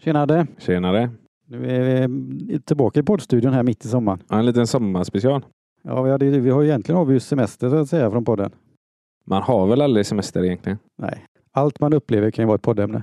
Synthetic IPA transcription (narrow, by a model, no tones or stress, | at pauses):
ʃeːnad̪əɕeːnad̪ə | nʉ̟ːæɾvɪt̪ʰɪlbɑːkaɪpʰɔd̪ːst̪ʉ̟d̪jʊnɦæːɾmɪt̪ʰːɪsɔmːaɳɛnliːt̪ənsɔmːaspɛsɪɑːl | jɑ̰ːvɪhad̪vɪhaɾjɪjɛnt̪lɪɡənaʋɪjsɛmɛst̪əsʊat̪sɛjːafɾɔnpʰɔd̪ːə̰n | manhaɾvɛlald̪ɾɪsɛmɛst̪əɾɪjɛnk̪ʰlɪɡənnɛ̰ɪ | alt̪manɵpːleːvəɾkʰanjʏvɑːɛt̪̚pʰɔd̪ːɛmnə̰